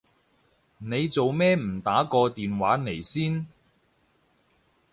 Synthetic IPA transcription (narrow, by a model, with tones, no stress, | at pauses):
ne˨˧jt͡so˨wmɛː˥m̩˨˩t̪aː˨˥kɔː˧t̪iː˨nwaː˨˥ne˨˩jsiː˥n